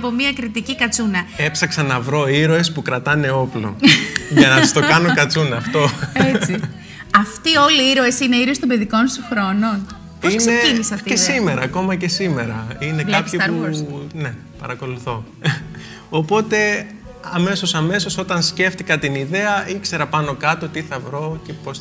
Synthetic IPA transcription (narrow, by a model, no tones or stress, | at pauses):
pomiɐkɾit̪icikɐt͡sunɐe̞psɐksɐnɐvɾo̞iɾoespukɾɐt̪ɐne̞o̞plo̞̰ʝɐnɐti̥st̪o̞kɐno̞kɐt͡sunɐːft̪o̞et͡si | ɐft̪io̞liiɾoesine̞iɾost̪obeðiko̞nst̪uxɾo̞non | poisneiisɐfiesime̞ɾɐːko̞mɐce̞sime̞ɾɐinekɐpçiune̞ | pɐɾɐko̞luθo̞ | opo̞t̪e̞ | ɐme̞so̞sɐme̞so̞so̞t̪ɐnsce̞ft̪ikɐt̪iniðe̞ɐikse̞ɾɐpɐno̞kɐt̪o̞t̪iθɐvɾo̞ce̞pos